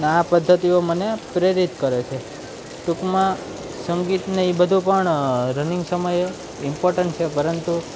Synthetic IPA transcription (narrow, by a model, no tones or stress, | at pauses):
neapəd̪ʱːət̪iomənepɾeɾit̪kəɾet͡ʃʰe | ʈukmã | səŋɡit̪nəɦĩbəd̪ʱũpəɳɾənĩŋɡsəməje | ɪmpoɾʈəɳʈ̚t͡ʃʰepəɾənt̪u